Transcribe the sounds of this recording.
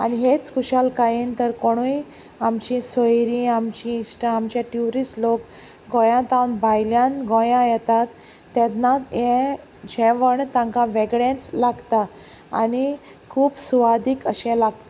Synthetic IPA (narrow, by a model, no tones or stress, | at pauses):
a̰niɦet͡skuɕalkajint̪əɾkoɽ̃uj | amt͡ɕĩsojɾĩamt͡ɕĩːsʈaamt͡ɕjaʈjuɾislok | ɡɔ̃jãt̪awnbajljãnɡõjãjɛt̪at̪ː | ɛ̃t̪najẽ | d͡ʑɛ̃ʋəɳt̪ãŋkãʋɛɡɽẽt͡slaɡt̪a | a̰ni | kʰuːpsuʋad̪ikəɕɛ̃laɡt̪a